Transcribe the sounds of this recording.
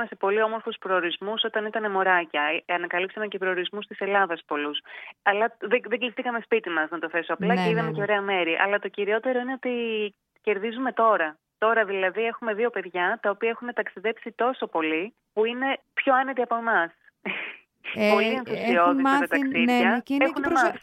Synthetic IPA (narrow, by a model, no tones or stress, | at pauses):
mese̞po̞lio̞moɾfuspɾo̞ːɾizmuso̞t̪ɐnit̪ɐne̞mo̞ɾɐcɐɐnɐkɐlipsɐmece̞pɾo̞oɾizmust̪ise̞lɐðɐspo̞lusɐlɐðeðeɟizθikɐme̞spit̪imɐsnɐt̪o̞θe̞soɐplɐceiðɐmece̞o̞ɾe̞ɐme̞ɾiʔɐ̰lɐt̪o̞ciɾio̞t̪e̞ɾo̞ine̞o̞t̪i | ce̞ɾðizume̞t̪o̞ɾɐ | t̪o̞ɾɐðilɐðie̞xume̞ðio̞pe̞ðʝɐt̪ɐopiɐexune̞t̪ɐksiðe̞psit̪o̞so̞po̞li | puine̞pço̞ɐne̞t̪iɐpo̞mɐs | po̞lienθθusio̞ðist̪ɐt̪ɐksiʝɐexuneɐ